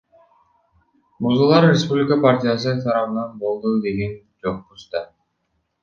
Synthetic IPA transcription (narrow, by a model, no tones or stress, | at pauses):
muzulˠɑɾrʲespublʲɪkapartʲijas̬ɯt̪ʰɑɾɑβɯnɑnbo̞lˠd̪ud̪e̞ɡe̞n | d͡ʒo̞qːust̪ɑ